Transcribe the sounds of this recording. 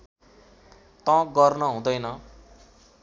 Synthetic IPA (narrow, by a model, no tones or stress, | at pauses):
t̪ʌ̃ɡʌrnʌɦũd̪ʌjnʌ